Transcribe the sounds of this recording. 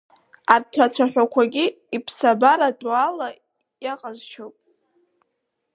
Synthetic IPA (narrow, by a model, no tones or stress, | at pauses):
artʰat͡sʷʰaħᶣʷakʷʰaɡʲi | ipʰsabaɾadwala | jaqʼazt͡ʃʰowpʼ